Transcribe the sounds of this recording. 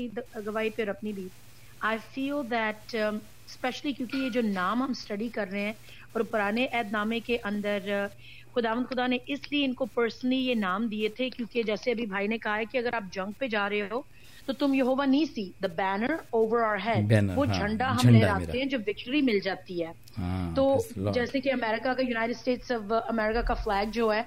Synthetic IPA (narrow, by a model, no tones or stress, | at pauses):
iɡɐʋaːipɪɾɐpnibʱiːt̪ | aːɪfiːld̪ɛʈ | spɛʃəlikjũːkijed͡ʒoːnaːmɦɐmsʈɐɖikɐɾːɐɦeɦɛ̃ː | ɔːɾpʊɾaːneʔɛːd̪naːmẽkeʔɐ̃nd̪əɾ | xʊd̪aːʋənd̪xʊd̪aneʔɪslieɪnkopəɾsənəlijenaːmd̪iet̪ʰekjũːked͡ʒɛːseɐbʱibʱaːinekɐɦaɦɛkiɐɡəɾaːp̚d͡ʒɐ̃ŋɡ̚ped͡ʒaːɾɐɦeɦoː | t̪ot̪ʊmjɐɦoːʋanĩːsid̪əbɛːnəɾoːʋəɾɔːlɦɛːɖʋoːd͡ʒʱɐ̃ɳɖaɦɐmneɾaːt̪eɦɛ̃d͡ʒoːʋɪk̚ʈəɾimɪld͡ʒaːt̪iɦɛː | t̪oːd͡ʒɛːsekeɐmɛːɾɪkakajuːnaːɪʈɪɖsʈeːʈsɔʋɐmɛːɾɪkakaflɛːɡ̚d͡ʒoːɦɛː